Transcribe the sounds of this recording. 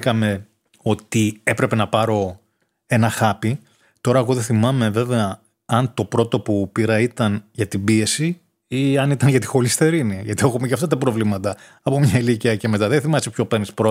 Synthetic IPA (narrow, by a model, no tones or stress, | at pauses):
kɐme̞ | o̞t̪ie̞pɾe̞pe̞nɐpɐɾo̞ | e̞nɐxɐpi | t̪o̞ɾɐeɣo̞ðeθimɐme̞ve̞ve̞ɐ | ɐnt̪o̞pɾo̞t̪o̞pupiɾɐit̪ɐnʝɐt̪ibie̞si | iɐnit̪ɐnʝɐt̪i̥xo̞list̪e̞ɾiniʝɐt̪ie̞xumeceɐft̪ɐt̪̬ɐpɾo̞vlimɐt̪ɐ | ɐpo̞mɲɐiliciɐce̞me̞t̪ɐðenθimɐsepço̞peɾnispɾo